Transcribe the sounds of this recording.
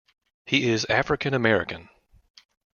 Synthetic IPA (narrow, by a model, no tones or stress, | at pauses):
hiɪzæfɹɨkʰɨ̃nɨmɛɹɨ̰kɨ̃n